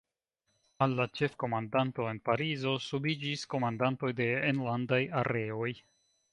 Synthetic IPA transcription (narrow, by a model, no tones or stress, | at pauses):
alːat͡ʃe̞fko̞mandanto̞e̞npaɾizo̞subid͡ʒisko̞mandanto̞jde̞enlandajaɾʔe̞o̞j